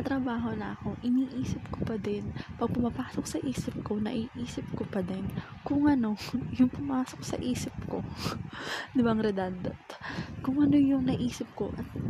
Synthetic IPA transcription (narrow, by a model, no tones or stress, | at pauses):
ɐt̪ɾɐbaːɦo̞nɐʔɐko̞ʔɪniːʔiːsɪp̚kopɐd̪ɛnpɐɡ̚pʊmɐpaːsok̚sɐʔiːsɪp̚ko̞nɐ̰ʔiʔiːsɪp̚kopɐd̪ɛn | kʊŋʔɐno̞jʊŋpʊmaːso̞k̚sɐ̰ʔiːsɪp̚ko̞ | d̪ɪbaŋɾɛd̪and̪ɐt̪kʊŋʔɐno̞jʊŋnɐʔiːsɪp̚ko̞ʔɐt̪̚